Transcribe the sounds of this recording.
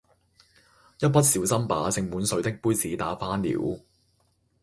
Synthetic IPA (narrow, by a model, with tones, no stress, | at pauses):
jɐ˥t̚pɐ˥t̚siː˨˧wsɐ˥mpa̰ː˨˥t͡sɪ˧ŋmuː˨˥nsɵ˨˥ɥt̪ɪ˥k̚puː˥jt͡siː˨˥t̪aː˨˥faː˥nlḭː˨˥w